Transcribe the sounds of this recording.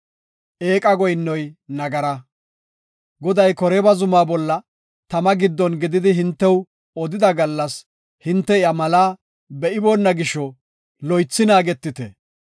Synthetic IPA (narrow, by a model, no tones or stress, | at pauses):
ʔe̞ːkʼɐɡɔjnːɔjnɐɡɐɾɐ | ɡɔd̪ɐjkɔɾɛbɐzʊmaːbɔlːɐ | t̪ɐmɐɡɪd̪ːɔnɡɪd̪ɪd̪ɪɦɪnt̪ːɛw | ɔd̪ɪd̪ɐɡɐlːɐs | hɪnt̪ːɛɪɐmɐlaː | bɛʔɪbɔnːɐɡɪʃɔ | lɔjt͡sːɪnaːɡɛt̪ːɪt̪ɛ̰